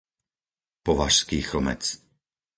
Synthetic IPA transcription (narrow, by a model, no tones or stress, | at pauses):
pɔʋaʃskiːxl̩mɛ̰t͡s